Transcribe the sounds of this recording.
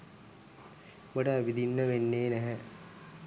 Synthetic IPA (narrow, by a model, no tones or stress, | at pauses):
moɖəːbid̪inːəʋenːeːnæɦɛ